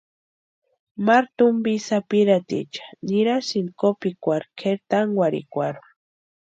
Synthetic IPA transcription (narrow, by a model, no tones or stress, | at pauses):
maɾt̪umbisapiɾat̪ḭt͡ʃḁniɾasinkopikʷaɾkʰeɾt̪aŋɡwʷaɾḭkʷaɾu